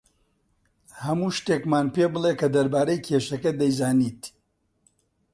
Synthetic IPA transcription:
hɐmuːʃt̪eːkmaːnpeːbɨlˠeːkɐd̪ɐɾbaːɾejkʰeːʃɐkɐd̪ɐjzaːniːt̪

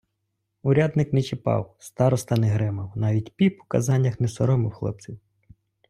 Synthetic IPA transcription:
ʊɾʲad̪nɪknɛt͡ʃɪpɑ̰wst̪ɑɾɔst̪ɐnɛɦɾɪmɐwnɑʋʲitʲpʲipʊ̥kɐ̰zɑnʲːɐxnɛsɔɾɔmɪwxlˠɔ̰p̚t͡sʲiw

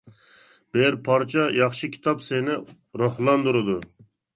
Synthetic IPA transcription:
b̥eɾpʰɑɾt͡ʃʰɑjɑχʃɨkʲʰi̥t̪ɑpsenɪ | ɾohlˠɑnd̪uɾɨd̪u

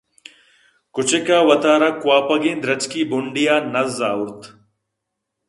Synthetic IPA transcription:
kʊt͡ɕekaːwɐt̪aːɾakwaːpɐɡĩːnd̪ɾɐt͡ɕkiːbʊɳɖijaːnɐzːaːuɾt̪

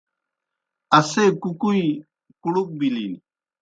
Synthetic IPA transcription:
ɐsekukui | kuɽuk̚bili

